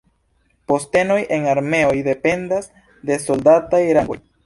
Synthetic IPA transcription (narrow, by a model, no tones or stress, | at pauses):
post̪enojʔeŋaɾmeojd̪epend̪az | d̪esold̪at̪ajɾaŋɡoj